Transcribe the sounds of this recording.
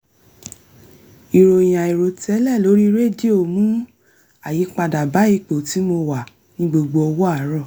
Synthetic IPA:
i˨ɾo˨j̃ã˨i˨ɾo˨tɛ˨˦lɛ˦˨lo˨˦ɾi˦ɾe˦di˦o˨mũ˨˦ | a˨ji˨˦k͡pa˧da˨ba˨˦i˦˧k͡po˨ti˨˦mo˧wa˨ | nĩ˦ɡ͡bo˧ɡ͡bo˧ɔ˧wɔ˦a˦˨˦ɾɔ˦˨

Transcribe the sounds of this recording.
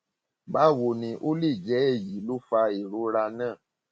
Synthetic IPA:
ba˨˦˨wo˧˨nĩ˧ʔo˦le˦˨d͡ʒɛ˨˦e˦˨ji˨˦lo˦fa˧e˨ɾo˨˦ɾa˧nãː˦˨

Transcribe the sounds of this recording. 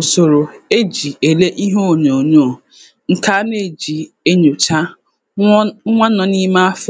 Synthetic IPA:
o˨so˨ɾo˨e˦d͡ʒi˨e˨le˦ʔi˦ɦo˦o˨ɲo˨ɲo˦˨ | ŋ̩˦ka˦ne˦˨d͡ʒi˨ | e˦ɲo˨t͡ʃa˦ | ŋʷa˦nɔ˨ni˦ma˦a˦fɔ˦

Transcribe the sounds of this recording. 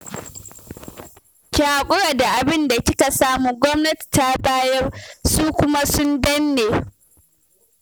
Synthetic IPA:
kʲaː˨kʷʼʊ˦ɽaː˨da˨ʔa˨bɪ˦nda˨kʲɪ˦ka˨saː˦muː˨ɡʷɔ˦mnɐ˦ti̥˨ta˦baː˦jɐ˦rsuː˦kʷʊ˦ma˦sʊ˦ndɐ˦nːeː˨

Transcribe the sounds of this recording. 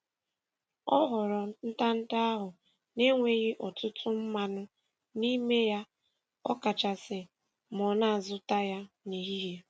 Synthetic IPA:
ɔ˦ɦʊ˨ɾɔ˨n̩˦ta˦n̩˦da˦a˦ɦʊ˨ | ne˦ŋʷe˨ɣɪ˦ʔɔ˨tʊ˦tʰʊ˦m̩˦ma˦nʊ˦ | ni˦me˦ja˦ | ɔ˦ka˨t͡ʃa˨sɪ˨ | m˨ɔ˨na˦˨a˨zʊ˦ta˦ja˦ | ni˨ɦi˦ɦe˦

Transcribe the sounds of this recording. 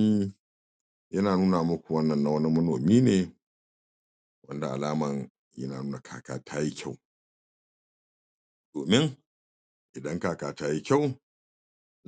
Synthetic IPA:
jɐ˦naː˨nuː˦na˨mɐ˦kʷu˨wɐ˦nːɐ˨nːa˨wɐ˦ni˦mɐ˦noː˨miː˦neː˨ | wɐ˦nda˨ʔa̰˨laː˦mɐ˨ŋ | jɐ̰˦naː˨nuː˦na˨kʰa̰ː˨ka̰ː˨tʰaː˦ji˦kʲʰɐ˦˨w | doː˨mɪ˦ŋ | ʔɪ˨dɐ˦ŋkaː˨kaː˨taː˦ji˦kʲa˦w

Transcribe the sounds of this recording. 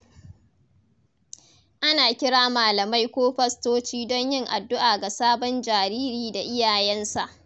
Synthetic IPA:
ʔa˦naː˨kʲɪ˦ɽaː˦maː˨lɐ˨ma˦jkʷoː˦ɸɐ˦stoː˦t͡ʃiː˦dɔ˦ɲjɪ˦ŋʔa˨dːʊ˦ʔaː˨ɡa˨saː˦bɔ˦nd͡ʒaː˨ɾiː˦ɾiː˦da˨ʔɪ˦jaː˨jɛ˦nsa˨ʔ

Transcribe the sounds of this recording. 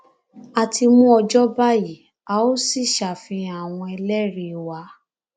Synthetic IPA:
a˨tʰi˧mũ˦ɔ˧d͡ʒɔ˦ba˦ji˨ | a˨˦o˦si˦˨ʃa˨fĩ˧a˦˨w̃ɔ̃˧ɛ˧lɛ˦ɾe˧˨wa˧˦

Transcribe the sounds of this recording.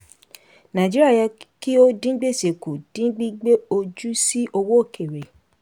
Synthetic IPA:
nã˨d͡ʒi˦ɾi˦a˦˨jɛ˧ki˦o˦dĩ˦ɡ͡be˦˨se˨ku˨d̥ĩ˨˦ɡ͡bi˦ɡ͡be˦o˧d͡ʒu˦si˦ʔo˧wo˦o˦˨kʰe˨ɾe˨

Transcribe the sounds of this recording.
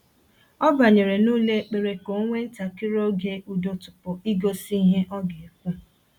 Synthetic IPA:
ɔ˦ba˨ɲe˨ɾe˨nuː˦le˦k͡pe˨ɾe˨ko˨˦ŋʷe˦n̩˦ta˨kɪ˦ɾo˦ɡe˦ʔu˨do˨tʊ˨pʊ˨i˦ɡo˦si˦ɦe˦ʔɔ˦ɡe˨e˨kʷu˦

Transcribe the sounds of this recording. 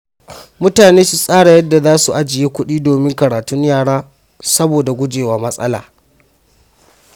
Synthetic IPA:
mʊ˦taː˨neː˦su˨sʼaː˦ɽa˨jɐ˦dːa˨zaː˦su˨ʔa˦d͡ʒɪ˨jeː˦kʷʊ˦ɗiː˦doː˨mɪ˦ŋkɐ˨ɽaː˨tʊ˦ɲjaː˦˨ɽaː˦ | sɐ˦boː˨da˨ɡʷʊ˦d͡ʒeː˨waː˨mɐ˦sʼɐ̰˦la̰ː˨

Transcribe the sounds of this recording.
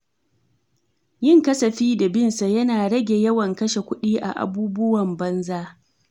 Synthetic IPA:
jɪ˦˨ŋkɐ˦sɐ˨ɸiː˦da˨bɪ˦nsa˨jɐ˦naː˨ɽɐ˦ɡʲe˨jɐ˦wɐ˨ŋkɐ˦ʃe˨kʷʊ˦ɗiː˦ʔa̰˨ʔa̰˨buː˦bʊ˦wɐ˨mbɐ˦nzaː˦

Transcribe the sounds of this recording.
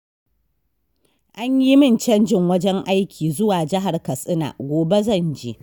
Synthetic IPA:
ʔa˦ɲji˦mɪ˦˨nt͡ʃɐ˦nd͡ʒɪ˨ŋwɐ˦d͡ʒɛ˦ŋʔa˦jkʲʰiː˨zʊ˦waː˨d͡ʒɪ˦ɦa˨rkɐ˨sʼɪ˦na̰ː˨ɡʷoː˨be˦zɐ˦˨nd͡ʒḛː˦

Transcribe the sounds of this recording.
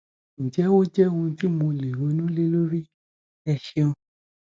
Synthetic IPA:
ñ̩˨d͡ʒɛ˨˦wo˦d͡ʒɛ˦ũ˧ti˦mũ˧le˨ɾo˨˦nũ˦le˦lo˦ɾi˦ | ɛ˧ʃe˧õ˧

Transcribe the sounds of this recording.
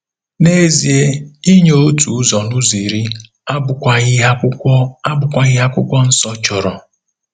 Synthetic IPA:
ne˦zi˨e˦i˦ɲo˦tu˨˦zɔ˨nʊ˦zi˨ɾi˦ | a˦bʊ˨a˦a˦ɔ˦a˦bʊ˨kʷa˦ɣɪ˦ɦa˦kʷʊ˦kʷɔ˦n̩˦sɔ˦t͡ʃɔ˨ɾɔ˨

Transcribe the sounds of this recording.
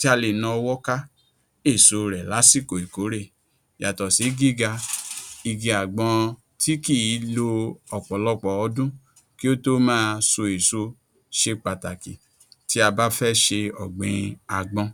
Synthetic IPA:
ti˦a˧le˨nã˧ɔ˧wɔ˦ka˦ | e˦˨so˨ɾɛ˨la˨˦si˦˨ko˨i˨ko˨˦ɾe˦˨ | ja˨tɔ˨si˨˦ɡi˦˨ɡa˧i˧ɡi˧a˨ɡ͡bɔ̃˧ | ti˦ki˦˨i˨˦lo˧ɔ˨k͡pɔ˨lɔ˧k͡pɔ˨ɔ˧dũ˦ | ki˦o˦to˦mãː˦˧so˧e˨so˧˦ | ʃe˧k͡pa˨ta˨kĩ˨ | ti˦a˧ba˦fɛ˦ʃe˧ɔ˨ɡ͡bĩ˨˧a˨ɡ͡bɔ̃˧

